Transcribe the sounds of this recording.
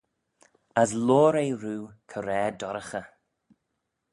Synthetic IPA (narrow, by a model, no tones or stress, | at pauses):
əsloːɾejɾuːkʰəɾɛːdɔɾəxə